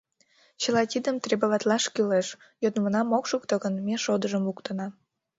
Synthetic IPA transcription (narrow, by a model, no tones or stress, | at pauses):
t͡ɕəlɑt̪ʲid̪əmt̪rebəβɑt̪lɑʃkyleʃ | jod̪mənɑmokʃukt̪əɣənmeʃod̪əʒəmukt̪ənɑ